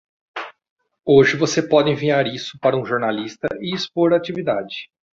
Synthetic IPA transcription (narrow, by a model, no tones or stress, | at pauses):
oʒɪvosepɔd͡ʒɪẽviɲaɾisʊ̥paɾɐũʒoɾnalist̪ɐʔɪːspoɾat͡ʃivid̪ad͡ʒɪ